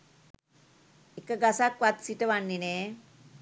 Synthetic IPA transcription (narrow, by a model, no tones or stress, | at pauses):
ekəɡasakʋat̪siʈəʋanːineː